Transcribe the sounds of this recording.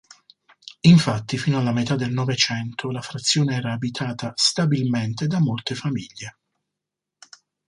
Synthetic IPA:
iɱfat̪ːifiːnoalːamet̪ad̪ːelnɔvet͡ʃɛnt̪ʰolafɾat̪sːjɔːneɛːɾaːbit̪ʰaːt̪ʰast̪abilment̪ed̪amːolt̪efamiʎːe

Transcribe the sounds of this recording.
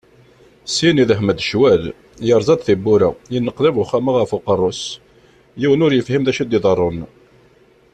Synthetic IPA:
siniðəhməd̪ʃwæl | jəɾˤzˤɑd̪ˤθibːuɾæ̰jənːəqðævʊχːæmaʁəfʊqərˤːos | jiwənʊɾjəfhimðæʃid̪ɪðˤərˤon

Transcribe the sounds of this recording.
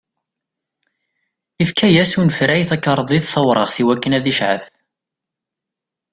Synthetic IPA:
ifkʰæjæsunfɾæjθækːɑɾˤðˤiðθəwɾˤəʁθiwækːənæðiʃʕə̰fθ

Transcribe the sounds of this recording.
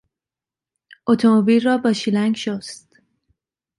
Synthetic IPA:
ʔot̪ʰomobiːlrɒːbɒːʃilæŋɡʃost̪

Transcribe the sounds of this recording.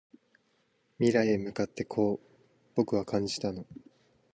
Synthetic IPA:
mʲiɾaemɯ̟kat̪ːe̞kʰo̞ː | b̥o̞kɯ̟βakʰãɲ̟d͡ʑi̥t̪ano̞

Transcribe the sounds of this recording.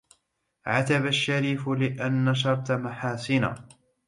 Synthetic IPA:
ʕat̪abaʃːaɾiːfʊlɪʔanːaʃ̬ɑɾˤt̪maħaːsɪna̰ː

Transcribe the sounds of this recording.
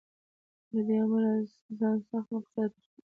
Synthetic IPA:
d̪ad̪eamaɾɑz | zɑnsaxt̪maqsad̪̚

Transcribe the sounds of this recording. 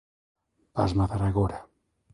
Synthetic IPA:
ba̰zmat̪aɾaɣoɾa

